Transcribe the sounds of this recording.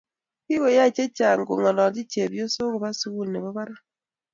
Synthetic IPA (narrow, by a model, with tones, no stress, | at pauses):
ki˦we˨ja˦˨t͡ʃe˦t͡ʃa˨ŋ˨ɡo̰˨ŋɔ˨lɔ˨d͡ʒi˦t͡ʃe˨bjo˦so˦ɣo˨ba˦su˦wu˦lnɛ˨bɔ˦ba˦ɾa˦